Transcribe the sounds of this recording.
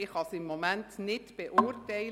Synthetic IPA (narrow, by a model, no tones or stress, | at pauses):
ɪχhɑsɪmːomæntnɪtb̥eʔʊːɾtɛɪ